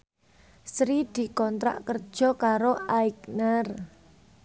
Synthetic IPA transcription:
sɾid̪̥i̤kɔnt̪ɾa̰ʔkərd̥ʒ̥ɔ̤kaɾoaiknər

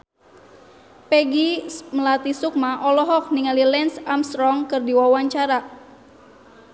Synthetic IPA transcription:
pɛɡiməlat̪isuk̚maʔɔlɔɦɔk̚niŋalilɛnsamst̪ɾɔŋkɨrdiwawaɲt͡ʃaɾa

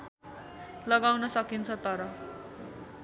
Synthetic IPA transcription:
lʌɡawnʌsʌkint͡sʰʌt̪ʌɾʌ

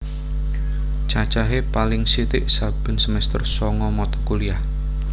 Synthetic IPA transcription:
t͡ʃḁt͡ʃaɦepalɪŋsit̪ɪʔsab̥ə̤nsəmɛst̪ərsɔŋɔmɔt̪ɔ̥kuliah

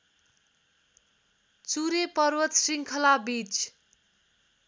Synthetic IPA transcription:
t͡suɾepʌrwʌt̪siŋkʰʌlabit͡s

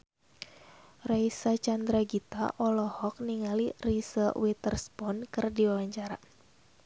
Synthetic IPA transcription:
rajsat͡ʃand̪ɾaɡit̪a̰ʔɔlɔhɔk̚niŋalirisəwit̪ərspɔnkɨrdiwawaɲt͡ʃaɾa

